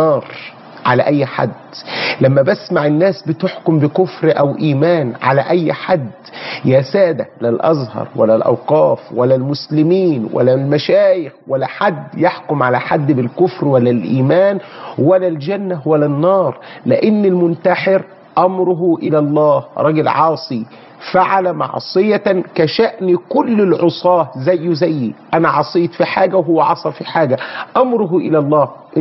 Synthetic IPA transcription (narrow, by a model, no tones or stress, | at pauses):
ɑːɾˤ | ʕalæʔæjːħa̰d̪ːlæmːæbæsmaʕɪnːæːsbɪt̪ɪħkʊmbɪkʊfɾʔæwʔiːmæːnʕa̰læ̰ʔæjːħad̪ːjæːsæːd̪ælælʔɑzˤhɑ̰ɾˤwæ̰lːælʔɑ̰wqɑːfwælːælmʊslɪmiːnwʔæ̰lːælmæʃæːjɪxwælːæħad̪ːjaħkʊmʕalæħad̪ːbɪlkʊfɾwælːælʔiːmæːnwælːæld͡ʒænːæwælːænːɑːɾˤlɪʔɪnːɪlmʊnt̪aħɪɾ | ʔæmɾʊɦʊʔɪlælˤːɑːhɾˤɑɡɪlʕɑːsˤi | faʕalæmɑ̰ʕsˤɨjækæʃæʔnikʊlːɪlʕosˤɑːzæjːʊzæjːiʔænæʕɑsˤiːt̪fiħaːɡæwɦʊwːæʕɑsˤɑfiħaːɡæʔɑmɾʊɦʔɪlælˤːɑːhʔ